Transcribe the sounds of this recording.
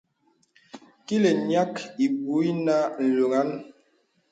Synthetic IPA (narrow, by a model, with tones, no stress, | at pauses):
ki˦le˨ɲa˦ki˨bu˨˦i˦na˦n̩˨lo˨ŋa˦n